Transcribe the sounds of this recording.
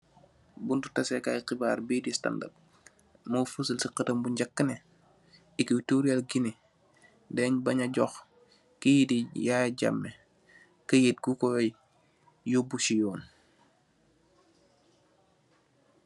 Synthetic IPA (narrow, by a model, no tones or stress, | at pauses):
buntutɐsɛkajqibaːɾbiːdista̰nda̰p̚ | mofusəlsiqətɐmbuɲɟɐkːənɛ | ikitoɾialɡini | dɛɲbɐɲɐɟɔx | kijidijaɟa̰mːe | kəjet̚ɡukɔ | jobusijɔːn